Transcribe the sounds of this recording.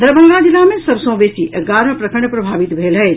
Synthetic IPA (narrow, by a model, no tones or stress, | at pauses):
d̪əɾbənad͡ʒilamesəbsə̃w̃besiʔəɡaɾə̃pɾəkəɾɳjepɾəbʱabit̪bʱelɦət͡ʃʰ